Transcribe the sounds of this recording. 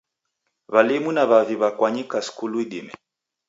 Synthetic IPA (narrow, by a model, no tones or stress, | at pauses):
βalimunaβaviβakwaɲikaskuluiɗimɛ